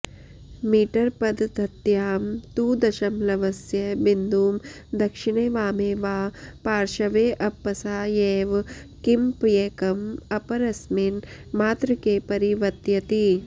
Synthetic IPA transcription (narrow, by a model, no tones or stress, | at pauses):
miːʈɐɾpɐd̪d̪ʱɐt̪jaːmt̪uːd̪ɐʃɐmlɐʋɐsjɐbind̪uːm | d̪ɐkʂiɳeːʋaːmeːʋaːpaːɾʃɐʋeːʔɐpːɐsaːjeːʋ | kimpjeːkɐmɐpɐɾɐsminmaːt̪ɾɐkeːpɐɾiʋɐt̪jɐt̪i